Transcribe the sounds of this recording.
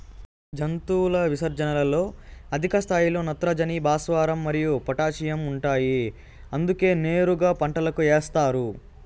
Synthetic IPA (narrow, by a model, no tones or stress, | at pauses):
d͡ʒɐnt̪uːlɐʋisɐɾd͡ʒɐnɐlɐlo̞ːɐd̪ʱikɐst̪ʰaːjilo̞ːnɐt̪ɾɐd͡ʒɐnibaːsʋaːɾɐmːɐɾijupɐʈaːt͡ʃijɐmuɳʈaːji | ɐnd̪uke̞ːne̞ːɾuɡaːpɐɳʈɐlɐkueːst̪aːɾu